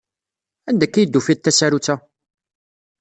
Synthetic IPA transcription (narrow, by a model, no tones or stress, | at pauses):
ænd̪ækːijəd̪ːufid̪̚t̪ːæsæɾut͡sːæ